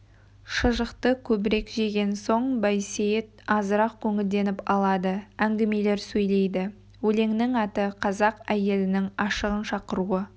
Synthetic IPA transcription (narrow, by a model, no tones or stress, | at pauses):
ʃəʒəqt̪əkʲʰɵbɪɾe̞kʒe̞ɡʲe̞nso̞ɴbɑjsejet̪̚ɑzəɾɑq̚kʲʰɵŋɪld̪e̞nɪpɑlˠɑd̪əæŋɡʲɪme̞le̞ɾsɵjle̞jd̪ɪ | wɵle̞ŋnɪŋɑt̪əqʰɑzɑqæje̞lɪnɪŋɑʃəʁənʃɑqəɾuə